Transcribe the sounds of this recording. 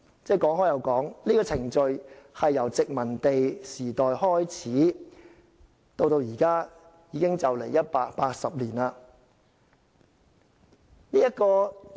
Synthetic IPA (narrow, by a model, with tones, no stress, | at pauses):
t͡sɛː˥˧˩kɔː˨˥ŋɦɔː˨˥jɐ˨˧wkɔː˨˥ŋniː˥kɔː˧t͡sʰɪ˨˩ŋt͡ʃɵ˨˧ɥhɐ˨jːɐ˨˩wt͡sɪ˨k̚mɐ˨˩nt̪e˨jsiː˨˩t̪ɔː˨jhɔː˥jt͡sʰiː˨˥ | t̪o˧wt̪o˧wjiː˨˩kaː˥ | jiː˨˧kɪ˥ŋt͡sɐ˨wle˨˩jɐ˥t̚paː˧k̚paː˧k̚sɐ˨p̚liː˨˩naː˧ | niː˥jɐ˥t̚kɔː˧